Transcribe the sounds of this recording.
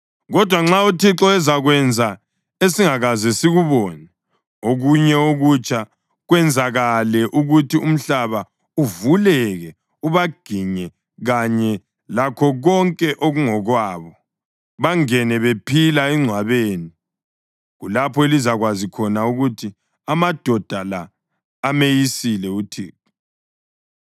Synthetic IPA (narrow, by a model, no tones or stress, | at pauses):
ɣɔd̥ʱwaŋ͡ǁautʰiǁɔɛzaɣwɛnd͡zʱa | esiŋaɣazɛsiɣuβɔːnɛ | oɣuɲɛoɣut͡ʃʰʼa | ɣwɛnd͡zʱaɣalɛʔuɣutʰium̩ɬaβa | uvulɛɣɛ | uβaɡ̥ʱiɲɛ | ɣaɲɛ | lakʰɔɣɔŋkʼɛʔoɣuŋɔɣwaːβɔ | βaŋɛnɛβepʰilaiŋ͡ǀʱwaβeːni | ɣulapʰɔelizaɣwazikʰɔnauɣutʰi | amad̥ʱɔd̥ʱalaː | mejisilɛutʰḭːku